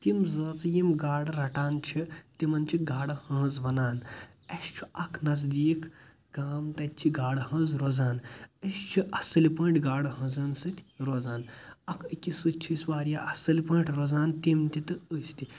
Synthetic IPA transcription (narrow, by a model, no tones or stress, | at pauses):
t̪imzɐːt͡sjimɡaːɽɾɐʈaːnt͡ʃʰit̪imɐnt͡ʃʰiɡaːɽɐhɐ̃ːzʋɐnaːnɐst͡ʃʰiɐkʰnɐzd̪iːk | ɡaːmt̪ɐt̪ʲt͡ʃʰiɡaːɽhɐ̃ːzɾoːzaːnɐst͡ʃʰiʔɐsɨlipɐːʈʲɡaːɽɦɐ̃zɐnsɨt̪ʰʲɾoːzaːnɐkʰɨkʲisɨt͡ʃʰisʋaːɾijaʔɐsɨlipə̃ːʈʰʲɾoːzaːnt̪imt̪it̪ɨəsʲt̪i